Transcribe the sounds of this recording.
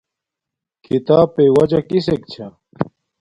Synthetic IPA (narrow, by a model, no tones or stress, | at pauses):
kʰit̪aːpewɐd͡ʑɐkisek̚t͡ɕʰɐ